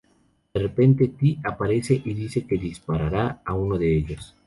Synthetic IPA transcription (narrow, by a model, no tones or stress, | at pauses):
d̪̥erepe̞nt̪et̪iapaɾe̞seʔiðiseke̞ðispaɾaɾaaunoðeeʎos